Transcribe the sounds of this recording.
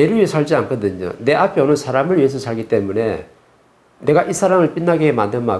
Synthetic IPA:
eɾuesʰʌɭd͡ʑiank͈ʌdɯɲo̰ne̞ʔapʰjonɯnsʰaɾamɯɭjiɦes̬ʰʌsʰaɭɡit͈e̞mune̞ | ne̞ɡaʔisʰaɾamɯɭp͈inːaɡemandɯma

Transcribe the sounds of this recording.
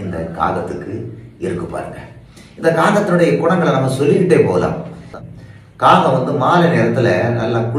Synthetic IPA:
ɪnd̪ɐ̰ka̰ːɣɐt̪ːɯkːɯɪɾɯkːɯpːa̰ːɾɯŋɡɐ | ɪnd̪ɐkaːɣɐt̪ːɪnɯɽɐjɐkʊɳɐŋɡɐɭnɐmːɐsɔlːɪkːɪʈːeːpo̰ːlã̰ː | kaːɣɐ̃ʋɐnd̪ɯmaːlɐneːɾɐt̪ːɪlɐnɐlːaːkʊ

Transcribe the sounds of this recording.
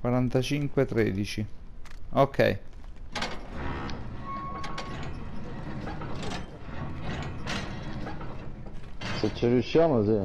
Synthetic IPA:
kwaɾant̪at͡ʃiŋkwet̪ɾḛːd̪it͡ʃi | okʰːɛ̰j | set͡ʃːɪrjuʃːjaːmosi

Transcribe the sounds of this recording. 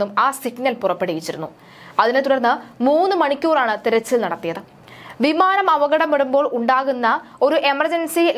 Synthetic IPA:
umaːsiɡnɐlpurɐpːeɽijit͡ɕːiɾunːu | ɐðine̞t̪uɽɐrnːɨmuːnːɨmɐɳikʲːuːraːɳɨt̪iɾɐt͡ɕːilnɐɽɐt̪ːijɐðɨ | ʋimaːnɐmɐʋɐɣɐɽɐmpeɽumbo̞ːɭʔuɳɖaːɣunːɐo̞ɾuʔe̞mɐrd͡ʑɐnsil

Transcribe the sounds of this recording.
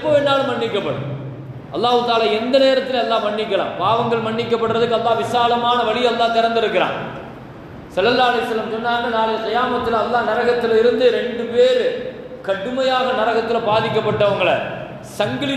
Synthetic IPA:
ɪpːoːɛnːaːlɯmɐɳːɪkːɐpːɐɽɯ̰ | ɐlːaːɣɯt̪aːlaːɛnd̪ɐneːɾɐt̪ːɪlɐɐlːaːmɐɳːɪkːɐla̰ːmpaːʋɐŋɡɐɭmɐɳːɪkːɐpːɐɽɯɾɐðɯkːɯɐlːaːʋɪsaːlɐmaːnɐʋɐɭɪjɐlːaːt̪ɪɾɐnd̪ɪɾɯkːɪɾa̰ː | sɐlːɐlːaːɐlɐjɐsːɐlːɐmsɔnːaːŋɡɐnaːlɐjɐtɪjaːmɐt̪ːɪlɐlːaːnɐɾɐɣɐt̪ːɪlɐɪɾɯnd̪ɯɾɛɳɖɯpeːɾ | kɐɽɯmɐjaːɣɐnɐɾɐɣɐt̪ːɪlɐbaːðɪkːɐpːɐʈːɐʋɐŋɡɐɭɐ̰ | sɐŋɡɐlɪ

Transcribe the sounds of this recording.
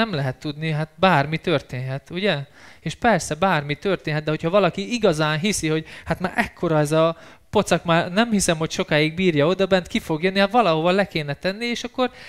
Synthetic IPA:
ɛmlɛɦɛt̪ːud̪niɦat̪̚baːrmit̪ørt̪eːnɦɛt̪uɟɛeːʃpɛrsɛbaːrmit̪ørt̪eːnɦɛt̪d̪ɛɦo̞chɒvɒlɒkiiɡɒzaːnɦisiho̞ɟhat̪maːɾʔɛkʰːo̞ɾɒɛzɒ | po̞t̪sɒkmaːnɛmhisɛmho̞cʃo̞kaːiɡ̚biːrjɒo̞d̪ɒbɛnt̪kifo̞ɡjønːihat̪ʋɒlɒɦovɒlɛkeːnɛt̪ɛnːieːʃɒkːo̞r

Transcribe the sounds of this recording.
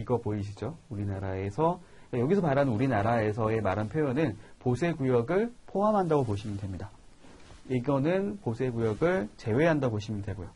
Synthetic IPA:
iɡʌpoiɕ̬ʰid͡ʑouɾinaɾae̞sʰʌ | ajoɡisʰʌpaɾanɯnuɾinaɾae̞sʰʌe̞maɾɦanpʰjojonɯnposʰe̞ɡujʌɡɯɭpʰoɦamɦandaɡopoɕʰimɯntwe̞mɲida | iɡʌnɯnposʰe̞ɡujʌɡɯɭt͡ɕe̞we̞ɦandaɡoɕʰimɯntwe̞ɡojo

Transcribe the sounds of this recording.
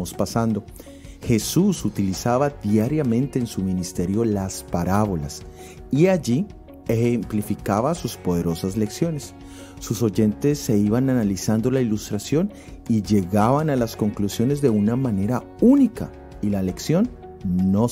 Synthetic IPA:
ospasand̪o̞ | xe̞susut̪ilisaβaðjaɾjamẽ̞nt̪e̞ːnsumĩnist̪e̞ɾjo̞laspaɾaβo̞la̰s | iaʝi | e̞xemplifikaβasuspo̞ðe̞ɾo̞sazle̞ksjo̞ne̞sː | uso̞ʝe̞nt̪e̞sːe̞iβananalisand̪o̞lailust̪ɾasjo̞n | iʝe̞ɣaβanalasko̞ŋklusjo̞ne̞zd̪e̞unamãne̞ɾa | unika | ilale̞ksjo̞nː | o̞

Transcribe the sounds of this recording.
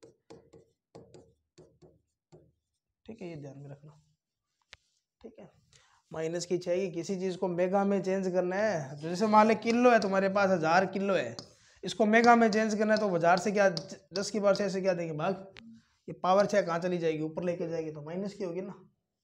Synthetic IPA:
ʈʰiːkɦɛjed̪ʱjaːnmẽɾɐkʰna | ʈʰiːkɦɛː | maːɪnəskit͡ʃaːeɡikɪsit͡ʃiːzkomeːɡamẽt͡ʃẽːnd͡ʒkɐɾnaɦɛd͡ʒod͡ʒɛːsemaːlekɪlːoɦɛt̪̬ʊmaːɾep̬aːsɦɐzaːɾkɪlːoɦɛ̰ː | ɪskomeːɡamẽt͡ʃẽːnd͡ʒkɐɾnaɦɛt̪obʱɐzaːɾsek̬jad͡ʒɐskebaːɾseɛs̬ek̬jaːd̪ẽːɡẽbʱaːɡ | jepaːʋəɾt͡ʃʰɛːkɐɦãt͡ʃɐlid͡ʒaːeːɡiuːpəɾleːked͡ʒaːeːɡit̪omaːɪnəskiɦoːɡinaː

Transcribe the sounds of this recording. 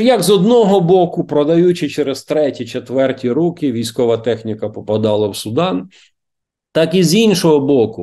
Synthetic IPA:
jɐɡzɔd̪nɔɦɔbɔkʊpɾɔd̪ɐjut͡ʃɪt͡ʃɛɾez̥t̪ɾɛtʲit͡ʃet̪ʋɛrtʲiɾukʲɪʋʲijsʲkɔʋɐt̪ɛxnʲikɐpɔpɐd̪ɑlˠɐwsʊd̪ɑn | t̪ɑkizinʃɔɦɔbɔkʊ

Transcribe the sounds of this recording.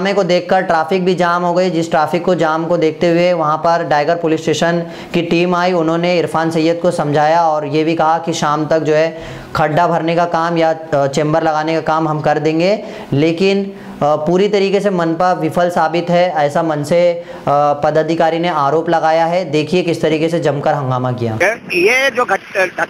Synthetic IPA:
mẽkod̪eːkʰkɐɾʈɾaːfɪk̚bʱid͡ʒaːmɦoːɡɐid͡ʒɪsʈɾaːfɪkːod͡ʒaːmkod̪eːk̚ʰt̪eɦʊeʋɐɦãpɐɾɖaːɪɡəɾpoːlɪsʈeːʃən | kiʈiːmaːiʊnɦõneɪɾfaːnsɐjːət̪̚kosɐ̃md͡ʒʱaːjaɔːɾjebʱikɐɦakiʃaːmt̪ɐk̚d͡ʒoːɦɛ | kʰɐɖːabʱɐɾnekakaːmjat͡ʃẽːmbəɾlɐɣaːnekakaːmɦɐmkɐɾd̪ẽːŋɡe | leːkɪn | puːɾit̪ɐɾiːkesemɐnpɐɾʋɪfʰəlsaːbɪt̪ɦɛɛːsamɐnse | pɐd̪ɐd̪ʱɪkaːɾineaːɾoːplɐɡaːjaɦɛd̪eːkʰiekɪst̪ɐɾiːkesed͡ʒɐmkəɾɦɐ̃ŋɡaːmakija̰ːjed͡ʒoːɡʱɐɡ

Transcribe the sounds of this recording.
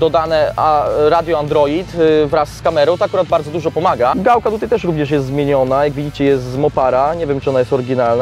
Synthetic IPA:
d̪ɔd̪anɛaɾad̪ʲjɔand̪ɾɔit̪vɾasːkamɛɾɔw̃t̪ɔakuɾad̪̚baɾd̪zɔd̪uʐɔpɔmaɡaɡawkat̪ut̪ajt̪ɛʂɾuvɲɛʂjɛst̪zmʲjeɲɔnajaɡvʲid͡ʑit͡ɕɛjɛst̪zmɔpaɾaɲɛvʲjɛmt͡ʂɨɔnajɛst̪ɔɾɘɡʲinalna

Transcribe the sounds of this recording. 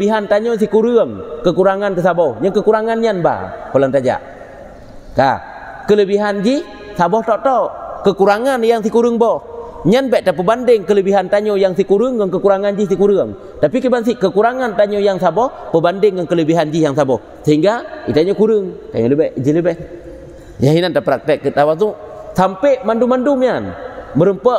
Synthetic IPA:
əbiɦant̪aɲos̬ikuɾɨəŋkəkuɾaŋant̪əsabɔhɲakəkuɾaŋanɲanba̰kolaŋt̪ad͡ʒa̰ʔ | ka̰ | kələbiɦand͡ʒih | sabɔht̪ɔʔt̪ɔkəkuɾaŋanjaŋs̬ikuɾɨŋbɔɲanbɛʔt̪ap̬əbandɪŋkələbiɦant̪aɲojaŋsikuɾɨŋkɔnkəkuɾaŋand͡ʒis̬ikuɾɨəŋ | tapikibans̬ikəkuɾaŋant̪aɲojaŋsabɔhpəbandɪŋːənkələbiɦand͡ʒijaŋsabɔh | səɦiŋɡait̪aɲɔkuɾɨŋt̪a̰ɲoləbɛd͡ʒiləbɛh | jaɦinantapɾak̚tɛkːət̪awazuʔsampeʔmandumandumɲanməɾəmpə

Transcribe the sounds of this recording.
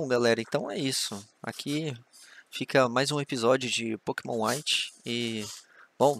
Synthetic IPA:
bõw̃ɡalɛɾɐẽt̪ɐ̃w̃ɛ̰isʊa̰kʰi | fikɐmajzũepizɔd͡ʒiʊd͡ʒɪpokemõajt͡ʃɪ̥ɪ | b̥õw̃

